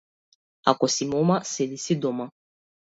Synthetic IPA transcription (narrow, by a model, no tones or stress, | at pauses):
a̰kɔsimɔmasɛd̪isid̪ɔma